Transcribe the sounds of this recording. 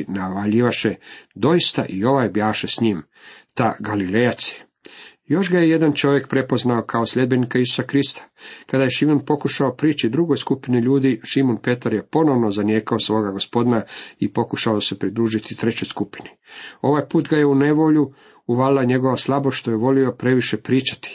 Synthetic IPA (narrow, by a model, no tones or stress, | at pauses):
naʋaʎiʋaʃed̪o̞jist̪a̰ʔio̞ʋajbjaːʃesɲiːm | t̪aɡalilejat̪se | jo̞ʃɡajeje̞d̪ant͡ʃo̞ʋje̞kpɾe̞po̞znaokʰao̞sʎʲe̞d̪̚be̞nikaisu̥sakɾist̪ḁkad̪ajeʃimonpo̞kuʃaopɾiːt͡ʃid̪ɾuɡojskupiniʎuːd̪iʃimonpe̞t̪aɾje̞po̞no̞ʋnozanjeːkaosʋo̞ːɡaɡo̞spo̞d̪inaipo̞kuʃaose̞pɾid̪ɾuːʒit̪it̪ɾe̞t͡ɕo̞jskupi̥ni | o̞ʋajpuːt̪ɡajeune̞ʋo̞ʎu | uʋalilaɲe̞ɡo̞ʋaslˠaboʃt̪o̞jeʋo̞lio̞pɾe̞ʋiʃepɾiːt͡ʃḁt̪i̥